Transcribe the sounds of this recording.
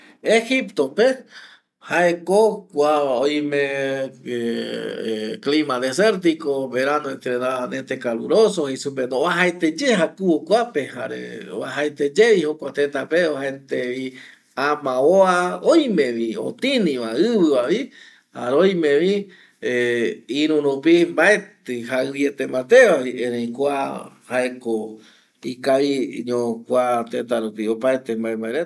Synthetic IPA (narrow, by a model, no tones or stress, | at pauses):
exipt̪ope | haekokʷaojmẽ | klimad̪eseɾt̪̬ikoβeɾanõẽnt̪ɾenaanẽnt̪ekalṵɾosohesupend̪oβaɦaet̪ed͡ʒehakuokʷapeha̰ɾḛβa̰ɦaet̪ed͡ʒeʋihokʷat̪ent̪apeohent̪eʋi | ãmãoaojmẽ̞ʋio̰t̪ĩnĩʋaɨʋɨβaʋi | haɾeojmẽʋi | eiɾũɾupimbaet̪ɨɦaɨβjet̪emãt̪e̞ʋaβiẽɾẽj̃kʷahaeko | ikaiɲõkʷat̪et̪aɾupiopaet̪embaẽmbaeɾe